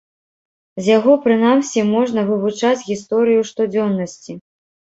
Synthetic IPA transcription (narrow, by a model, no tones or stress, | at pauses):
zʲjaɣɔpɾɨn̪amsʲimɔʐnɐvɨvut͡ʂat͡sʲɣʲist̪ɔɾɨjuʂt̪ud͡zʲɔnːɐsʲt͡sʲi